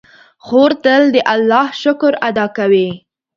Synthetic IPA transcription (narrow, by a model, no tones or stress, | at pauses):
xoɾt̪əld̪əʔalːɑhʃʊkɾad̪ɑkawi